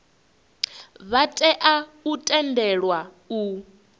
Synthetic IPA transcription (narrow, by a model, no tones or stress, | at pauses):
βatʼɛʔautʼɛndɛɺwa | u